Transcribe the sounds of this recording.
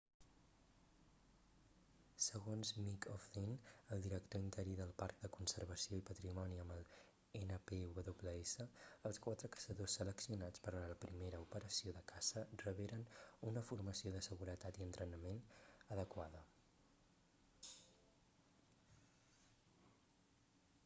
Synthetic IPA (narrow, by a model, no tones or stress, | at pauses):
səɣonzmikʰɔfðinəlˠd̪iɾəkt̪oint̪əɾiðəlˠpark̚d̪əkunsəɾβ̞əsioipət̪ɾimɔniəməlˠ | enəpeuβəðoβləesəːlˠskwat̪ɾəkə̥səðosːələksiunat͡spəɾaləpɾimeɾəupəɾəsioðəkʰasərəβeɾənunəfurməsioðəsəɣuɾət̪at̪iənt̪ɾənəmenəðəkwaðə